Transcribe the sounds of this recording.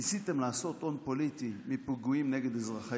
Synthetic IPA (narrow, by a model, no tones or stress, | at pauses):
isit̪emlaːso̞t̪ʔo̞npo̞lit̪imipuɡuimneɡed̪ezʁaχa